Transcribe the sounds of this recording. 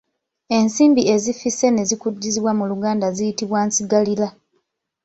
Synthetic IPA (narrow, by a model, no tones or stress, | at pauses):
e̞nsiːmbie̞zifise̞ne̞zikudːiziβwamuluɡaːndazijitiβwaːnsiɡalila